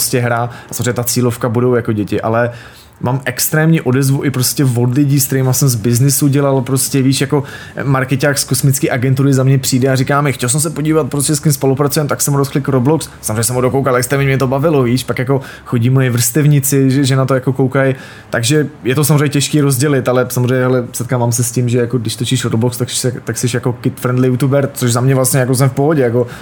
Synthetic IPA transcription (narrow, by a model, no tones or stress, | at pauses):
pɾscɛɦɾaʔasamzrɛɲɛt̪at͡siːlo̞fkabudo̞wjakoɟɛcɪʔa̰lɛ | maːmʔɛkst̪ɾɛːmɲiːʔo̞dɛzvuʔɪpɾoscʲɛvodlɪɟiːskt̪ɛɾiːmasɛmzbɪznɪsuɟɛlalpɾoscɛviːʃjako̞ | maɾkɛcaːxskosmɪt͡skiːʔaɡɛnt̪uɾɪzamɲɛpr̥iːdɛarikaːmɪxcɛls̬ɛms̬ɛpoɟiːvat̪̚pɾoscɛskɪmspo̞lupɾat͡sujɛmt̪aksɛmuɾosxlɪkɾoblokssamʐeɛɲɛsɛmudokowkalʔɛkst̪ɛmɲɛmɲɛt̪obavɪloviːʃpakjak̬o̞ | xoɟiːmojɛvr̩st̪ɛvɲɪt͡sɪʒɛʒɛnat̪ojako̞kowkaj | t̪aɡʒɛjɛt̪osamorɛɲɛcɛʃkiːɾozɟɛlɪt̪alɛsamozrɛɲɛɦɛlɛsɛt̪̚kaːvaːms̬ɛscimʒɛjakodɪʃt̪ot͡ʃiʃɾoblokst̪aksɛt̪aksɛʃjakokɪt̪fɾɛnd̪lɪjut̪ubɛɾt͡soʃzamɲɛvlast̪ɲɛjakos̬ɛmfpoɦoɟɛjako̞